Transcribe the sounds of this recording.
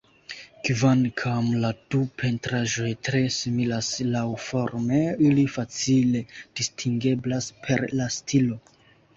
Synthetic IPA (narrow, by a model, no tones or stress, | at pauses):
kvankʰamladupʰe̞ntɾaʒo̞jtɾe̞similaslawfo̞ɾme̞ilifat͡sile̞d̥istʰiŋɡe̞blaspʰe̞ɾlastʰilo̞